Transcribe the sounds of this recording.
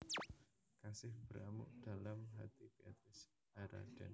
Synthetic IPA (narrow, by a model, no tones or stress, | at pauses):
kasɪhb̥əɾamʊ̰ʔd̪̥alamɦat̪ib̥iat̪ɾɪs | haɾa̰d̥an